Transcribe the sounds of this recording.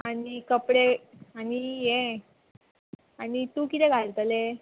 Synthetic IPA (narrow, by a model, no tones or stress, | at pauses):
añikəpɽeañijẽ | aɽit̪ũːkit̪ɛɡʱalt̪əle